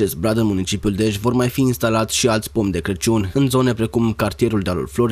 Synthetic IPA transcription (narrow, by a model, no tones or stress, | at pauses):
t͡ʃe̞st̪̚bɾad̪ɨnmunit͡ʃipiuld̪e̞ʃvo̞rmajfiːnst̪alat̪sʲʃialt̪sʲpo̞mʲd̪e̞kɾet͡ʃiunʲɨnzo̞ne̞pɾe̞kumkart̪ije̞ɾuld̪ealṵlflo̞ɾ